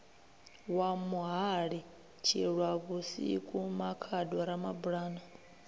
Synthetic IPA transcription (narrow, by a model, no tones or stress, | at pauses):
wamuɦaɺi | t͡ʃʰḭɺwaβusḭkʼumakʰadɔɾamabuɺaːnɔ